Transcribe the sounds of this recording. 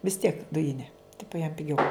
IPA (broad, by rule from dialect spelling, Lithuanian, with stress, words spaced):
ʋʲɪs tʲiɛk ˈdʊjɪnʲɛ ˈtʲɪpʊ jɛm pʲɪˈɡʲɛʊ